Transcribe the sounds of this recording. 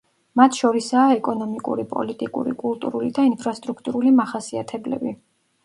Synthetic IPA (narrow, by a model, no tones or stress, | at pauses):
mat̪ʰʃɔɾisaːɛkʼɔnɔmikʼṵɾipʼɔ̰lit̪ʼikʼṵɾḭkʼulˠt̪ʼuɾulid̪ainpʰɾast̪ʼɾukʰt̪ʼuɾulimaχasiat̪ʰɛblɛ̰bi